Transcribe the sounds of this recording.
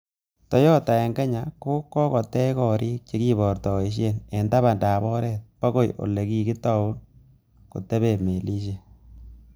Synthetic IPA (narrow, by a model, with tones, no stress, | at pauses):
tɔ˦jɔ˦ta˨ɛ˨ŋɡɛ˦ɲa˨ko˦kːɔ˦kɔ˨tɛ˦kɔ˨ɾʔiː˦k̚t͡ʃe˦ki˦bɔ˨ɾtɔ˨i˨ʃ̬e˦nɛ˨nda˦βa˨nda˨bɔ˦ɾɛ˦t̚pa˦ko˦jo̰˨le˨ki˨kɪ˦tɔ˨u˦n | ko̰˨tɛ˦be˨me˨li˦ʃ̬e˨